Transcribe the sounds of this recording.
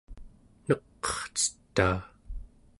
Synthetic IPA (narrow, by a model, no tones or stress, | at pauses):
nʌqː | ʌ̥χt͡sə̥t̪ːaː